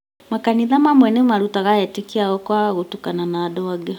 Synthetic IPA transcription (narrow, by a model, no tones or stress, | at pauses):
makaniðamamwɛnemaɾutaɣaɛtekiaɣɔkwaɣotukananaːdɔaɡɛ